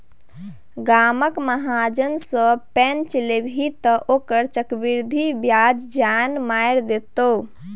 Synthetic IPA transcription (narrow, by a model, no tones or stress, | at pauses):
ɡaməkməɦad͡ʒənsə̃pɛnt͡ʃlebʱit̪əʔokəɾt͡ʃəkbiɾd̪ʱibjad͡ʒd͡ʒanmajɾd̪et̪o